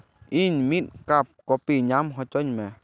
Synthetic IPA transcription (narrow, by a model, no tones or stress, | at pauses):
iɲmit̪̚kap̚kopiɲãmɦɔt͡ʃɔɲmɛ̃